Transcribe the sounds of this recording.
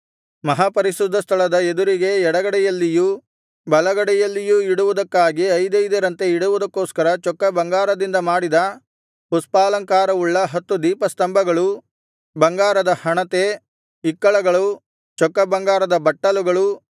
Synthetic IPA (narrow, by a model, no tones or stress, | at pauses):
mɐɦapɐɾiʃud̪ʱːɐst̪ʰɐɭɐd̪ɐed̪uɾiɡe̞ɛɽɐɡɐɽɛjɐlːiju | bɐlɐɡɐɽɛjɐlːijuiɽuʋud̪ɐkːaːɡiɐjd̪ɐjd̪ɐɾɐnt̪e̞iɽuʋud̪ɐkːoːskɐɾɐt͡ʃɔkːɐbɐŋɡaːɾɐd̪ind̪ɐmaːɽid̪ɐ | puspaːlɐŋkaːɾɐuɭːɐɦɐt̪ːud̪iːpɐst̪ɐmbʱɐɡɐɭu | bɐŋɡaːɾɐd̪ɐhɐɳɐt̪e̞ | ikːɐɭɐɡɐɭu | t͡ʃɔkːɐbɐŋɡaːɾɐd̪ɐbɐʈːɐluɡɐɭu